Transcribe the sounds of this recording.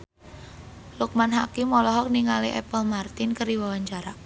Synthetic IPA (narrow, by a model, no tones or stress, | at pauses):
luk̚manɦakimɔlɔɦɔk̚niŋaliʔɛ̰pəlmart̪ɪnkəɾiwawaɲt͡ʃaɾa